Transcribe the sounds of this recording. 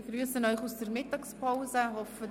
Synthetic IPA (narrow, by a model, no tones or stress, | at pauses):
ɡryːəsənɔʏχusd̥ərmɪtːɑkspʰaʊzəɦɔfə